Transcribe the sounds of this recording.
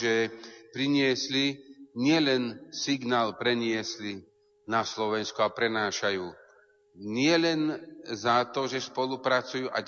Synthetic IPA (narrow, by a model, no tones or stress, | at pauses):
ʒɛpɾiɲɪɛsliɲɪɛlɛnsiɡnaːlpɾɛɲɪɛsli | naslɔʋɛnskuapɾɛnaːʃajuː | ɲɪɛlɛnzat̪ɔʒɛspɔlupɾat͡sujuːʔa